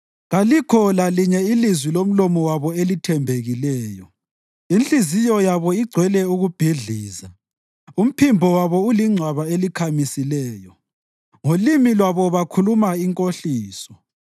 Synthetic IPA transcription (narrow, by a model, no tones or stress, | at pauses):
ɣalikʰɔlaliɲɛilizwilom̩lɔmɔwaβɔelitʰɛmbʱeɣilɛːjɔ | inɬʼizijɔjaβɔiɡ͡ǀʱwɛlɛuɣub̥ʱiɮiːza | um̩pʰimbʱɔwaβɔuliŋ͡ǀʱwaβaelikʰamisilɛːjɔ | ŋolimilwaβɔβakʰulumaiŋkʼoɬiːsɔ̥